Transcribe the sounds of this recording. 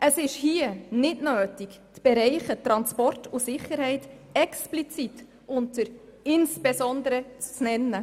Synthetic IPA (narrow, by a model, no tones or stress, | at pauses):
ʔəsɪʃhiənɪtnøːtikt͡sb̥ɛɾɛɪχət̪ɾɑnspɔrtʰusɪχːəɾhɛɪt | ɛksplit͡sit | ʊntəɾ | ɪnsb̥esɔnd̪əɾət͡st͡snɛnːə